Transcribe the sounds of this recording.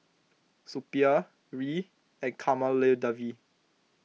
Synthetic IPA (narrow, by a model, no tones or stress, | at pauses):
supia | ɹi | ɛ̃nkʰamaledavi